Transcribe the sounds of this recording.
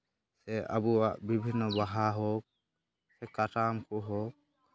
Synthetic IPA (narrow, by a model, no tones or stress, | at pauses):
sɛa̰buwaʔbibʱinːɔbaɦaɦok̚ | sɛkatamkʰuɦok̚